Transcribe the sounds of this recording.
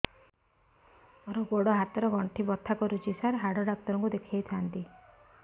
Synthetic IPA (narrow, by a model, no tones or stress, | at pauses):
ɔɾɔɡoɽɔɦat̪ɔɾɔɡɔɳʈʰibɔt̪ʰːakɔɾut͡ʃisaɾɦaɽɔɖak̚t̪ɔɾɔŋkud̪ekʰiajt̪ʰant̪i